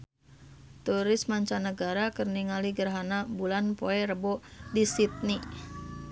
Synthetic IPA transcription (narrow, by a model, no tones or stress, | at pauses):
t̪uɾɪsmaɲt͡ʃanəɡaɾakərniŋaliɡərɦanabulanpoɛɾəbɔdisit̪̚ni